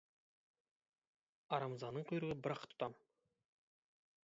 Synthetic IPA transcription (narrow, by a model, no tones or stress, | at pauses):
ɑɾɑmzɑnːəɴqʰʊjɾəʁəbɪɾɑqt̪ʰʊ̥t̪ɑm